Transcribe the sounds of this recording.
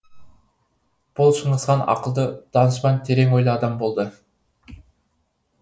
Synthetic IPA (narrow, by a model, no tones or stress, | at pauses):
b̥ʊlˠʃəɴʁəsqɑnɑ̰qəlˠd̪əd̪̥ɑnəʃpɑnt̪ʰe̞ɾeŋojlˠɑːd̪ɑmbo̞lˠd̪ə